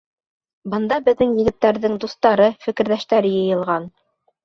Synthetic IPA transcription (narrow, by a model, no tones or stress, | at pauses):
bɤ̆nd̪ɑbɘ̆ðːɘŋjɘ̆ɡɘ̆t̪ːæɾðɘŋd̪ust̪ɑɾɤfɘ̆kɘ̆ɾðæʃt̪æɾɘjɤ̆jɤ̆lˠʁɑn